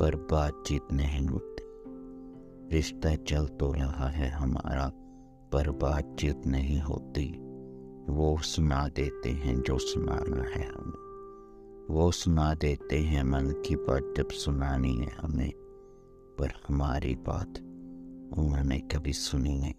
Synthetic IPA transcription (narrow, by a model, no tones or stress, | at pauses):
b̥ɐɾbaːt̪̚t͡ʃiːt̪nɐɦĩɦoːt̪i̥ | ɾɪʃt̪at͡ʃɐlt̪oɾɐɦaɦɛɦɐma̰ːɾa | b̥ɐɾbaːt̪̚t͡ʃiːt̪nɐɦĩɦo̰ːt̪i | ʋosʊnad̪eːt̪eɦɛ̃d͡ʒoːsʊna̰ːna̰ɦɛ̰ɦɐ̰mẽ | ʋosʊnad̪eːt̪eɦɛ̃mɐnkibaːt̪̚d͡ʒɐbsʊnaːniɦɛ̰ɦɐ̰mḛ̃ | pɐɾhɐmaːɾḭba̰ːt̪ | ʊnõnẽkɐbʱisʊniɦɛ̰̃ː